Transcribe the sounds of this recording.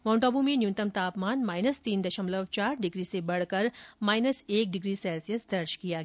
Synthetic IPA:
mɔ̃ːɳʈoːbumẽnjũnt̪əmt̪aːpmaːnmaːɪnəst̪iːnd̪ɐʃəmləʋt͡ʃaːɾɖɪɡɾisebɐɽ̤kɐɾmaːɪnəseːk̚ɖɪɡɾisɛːlsijəsd̪ɐɾt͡ʃkijaɡ

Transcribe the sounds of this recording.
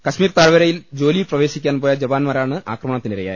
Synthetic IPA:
kɐɕmiːrt̪aːɾʋɐɾɐjild͡ʑo̞ːliprɐʋe̞ːɕikʲːaːnpoːjɐd͡ʑɐbaːnmaːɾaːɳɨʔa̰ːkrɐmɐɳɐt̪ːiniɾɐja̰j

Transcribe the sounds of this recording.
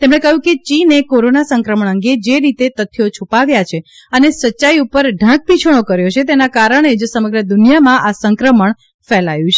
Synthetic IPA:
t̪emɽ̃ekəɦjũket͡ʃinekoɾonasəŋkɾəməɳ̃əŋɡed͡ʒeɾit̪et̪ət̪ʰːijot͡ʃʰupaʋjat͡ʃʰe | ənesəʃaiupəɾɖʱãk̚pit͡ʃʰəɽ̃okəɾjot͡ʃʰet̪̬enakaɾəɳ̃ed͡ʒsəməɡɾəd̪unijamãʔasəŋkɾəməɳ | fɛlajũt͡ʃʰe

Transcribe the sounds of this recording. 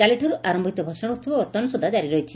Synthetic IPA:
aliʈʰɔɾuʔaɾɔmbʱit̪ɔbʱɔʃɔɽ̃ust̪ubɔɔt̪ɔnɔsud̪ʱːad͡ʒaɾiɾɔjt͡ʃʰi

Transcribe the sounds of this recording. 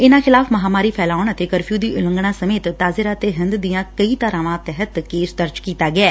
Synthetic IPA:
ɪnãːxʰɪlaːpʰməɦaːmaːɾiːpʰɛːlaːʊɳət̪eːkəɾpʰjuːd̪iːʔʊlə̃ŋɡɳãːsəmeːt̪ːaːzɪɾaːət̪eːɦənd̪d̪ijãːkəiːt̪əɾãːʋãːt̪ɛɦət̪keːsd̪əɾd͡ʒkiːt̪aːɡɪɛː

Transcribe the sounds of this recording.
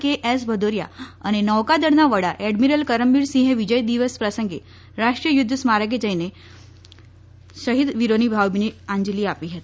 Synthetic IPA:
keʔes̬bʱəd̪oɾja̰a̰ɽ̃inəʋkad̪əɽnaʋəɽaʔɛɖmiɾəlkəɾəmbiːɾsĩɦeʋid͡ʑəjd̪iʋəspɾəsəŋɡe | ɾaʂʈɾijəjud̪ʱːəsmaɾəɡed͡ʑəjne | ɕəɦid̪ʋiɾoniːbʱawbiniaɲd͡ʑliːapiɦet̪

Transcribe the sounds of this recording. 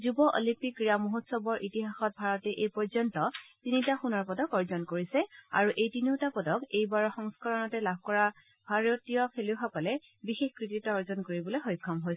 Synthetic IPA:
zubɔʔo̰limpikːɹiamuɦutsɔbɔɹʔitiɦaxɔt̚bʱaɹɔtɛʔejpɔɹzɔntɔtinitaxunɔɹpɔdɔkɔɹzɔnkoɹisɛa̰ɹuʔejtiniʊtapɔdɔkejbaɹɔxɔŋskɔɹɔnɔtɛlabʱkɔɹa | bʱaɹotijɔkʰeluxɔkɔlɛ | bixexkɹititɔɔɹzɔnkoɹibɔlojxojkʰːɔmɦojsɛ

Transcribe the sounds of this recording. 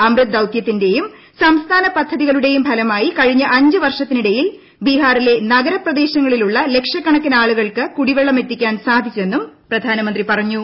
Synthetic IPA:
ɐmrɨd̪ɐwk̪jɐt̪ːinde̞jum | sɐmst̪ʰaːnɐpɐd̪ʱːɐðiɣɐɭuɽe̞jumpʰɐlɐmaːjikɐɻiɲːɐʔɐɲd͡ʑɨʋɐrʂɐt̪ːiniɽɐjil | biɦaːrile̞nɐɡɐɾɐprɐd̪e̞ːɕɐŋːɐɭiluɭːɐle̞kʂɐkːɐɳɐkːinaːɭuɣɐɭkɨkuɽiʋeɭːɐme̞t̪ːikʲːaːnsaːd̪ʱit͡ɕːue̞nːumprɐd̪ʱaːnɐmɐnd̪ripɐrɐɲːu

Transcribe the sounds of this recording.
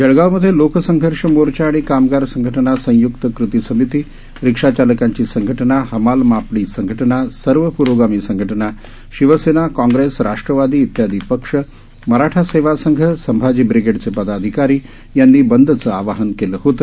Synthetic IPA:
d͡ʑəɭɡawməd̪ʱjelokəsəŋɡʱəɾʂəmoɾt͡ɕaːɽ̃ikamɡaɾsəŋɡʱəʈənasə̃jukt̪əkɾut̪isəmit̪iː | ɾikʂat͡ɕaləkaɲt͡ɕiːsəŋɡʱəʈənahəmalmapɽiːsəŋɡʱəʈənasəɾʋəpuːɾʋoɡamiːsəŋɡʱəʈəna | ʃiʋəsenakãŋɡɾesɾaʂʈɾəʋad̪iːt̪jad̪ʱiːpəkʂə | məɦɾaʈʰaseʋasəŋɡʱəsəmbʱad͡ʑiːbɾiɡeɽt͡sepəd̪ad̪ʱikaɾiː | janːiːbənd̪ʱət͡səːaʋaɦənkeləːɦot̪ə

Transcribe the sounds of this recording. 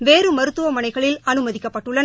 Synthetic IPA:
ʋeːɾɯmɐɾɯt̪ːɯʋɐmɐnɐɪɣɐɭɪlɐnɯmɐðɪkːɐpːɐʈːɯɭːɐn

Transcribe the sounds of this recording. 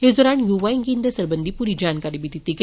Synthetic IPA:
esd̪ɔːɾaːnjuːʋaːiŋɡĩnd̪əsəɾbənd̪ʱipuːɾid͡ʒaːnkaːɾibid̪ɪt̪iɡɛ

